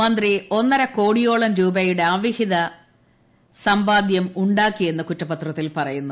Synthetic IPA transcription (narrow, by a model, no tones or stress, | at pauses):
ɐnd̪rio̞nːɐɾɐko̞ːɽijo̞ːɭɐmɾuːbɐjuɽeɐʋihiðɐ | sɐmbaːd̪jɐmuɳɖaːkːije̞nːɨkutːɐpːɐt̪rɐt̪ːilpɐrɐjunːu